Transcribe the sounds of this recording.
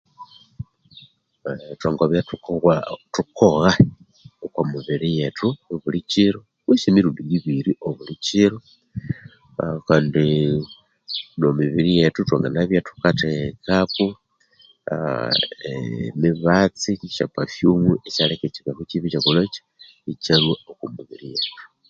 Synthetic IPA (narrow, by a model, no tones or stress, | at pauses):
twaŋɡoβjatu | tukʰoɣa | okomuβiɾijetuoβulit͡ʃiɾo | wiʃemiɾuːndujiβiɾiʔoβulit͡ʃiɾo | kaːndi | nomiβiɾijetutwaŋɡa̰naβjatu̥katekaku | emiβat͡siʃa̰pafjumuet͡ʃaleket͡ʃiβakut͡ʃiβit͡ʃakulot͡ʃḁ | it͡ʃalwaokumuβiɾijetu̥